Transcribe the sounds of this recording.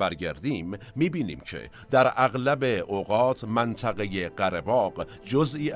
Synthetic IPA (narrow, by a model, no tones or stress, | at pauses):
æɾɡæɾd̪iːmː | iːbiːnḭːmcʰḛ | d̪æɾæɣlæbe̞ʔoɣɒːt̪ʰmænt̪ʰæɣejeɢæɾebɒːɢ | d͡ʒozʔiː